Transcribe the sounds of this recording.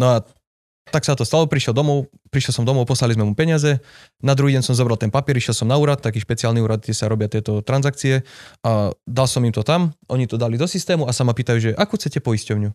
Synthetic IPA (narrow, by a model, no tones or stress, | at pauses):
nɔa | t̪aksat̪ɔst̪alɔpɾiʃjɛld̪ɔmɔʊ | pɾiʃjɛlˠsɔmd̪ɔmɔʊpɔslalizmɛmupɛɲɪazɛ | nad̪ɾuɦiːɟɛɲsɔmzɔbɾalt̪ɛnpapɪɛɾiʃjɛlsɔmnauːɾat̪ːakiːʃpɛt͡siaːlniuːɾad̪̚ɡɟɛsaɾɔbɪat̪ɪɛt̪ɔt̪ɾanzak̚t͡siɛʔad̪alsɔmimt̪ɔt̪amʔɔɲit̪ɔd̪alid̪ɔsist̪ɛːmuasamapiːt̪ajuːʒɛʔakuxt͡sɛcɛpɔiscɔʊɲu